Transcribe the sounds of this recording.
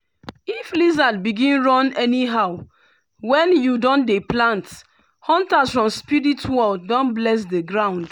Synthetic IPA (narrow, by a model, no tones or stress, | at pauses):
iflizad̚biɡĩnɹɔ̃nɛniɦaʊ | wɛ̃njudɔ̃ndeplãnt | hɔ̃ntasfɹɔ̃mspiɹitwɔldɔ̃nblɛs̬dəɡɹãʊ̃nd̥